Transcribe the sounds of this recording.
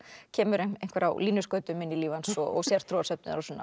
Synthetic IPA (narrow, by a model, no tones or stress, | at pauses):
cʰɛːmʏɾeejn̥kvɛɾa̰wliːnʏskœːɥt̪ʏmɪnːiliːvansɔɔɣsjɛɾ̥t̪ʰɾuːsœp̚nɪðaɾɔsɔnːa